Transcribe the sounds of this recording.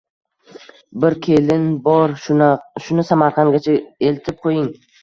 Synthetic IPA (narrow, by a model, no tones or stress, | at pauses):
bɪɾkʲʰe̞lɪnbɒɾʃʊnɪsamaɾqʰɑŋɡʲat͡ʃʰae̞lt̪ʰɪp̚qʰojɪŋ